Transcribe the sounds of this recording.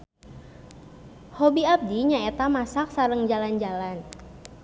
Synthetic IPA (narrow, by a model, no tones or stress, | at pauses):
hobiap̚diɲaɛt̪amasak̚saɾəŋd͡ʒaland͡ʒalan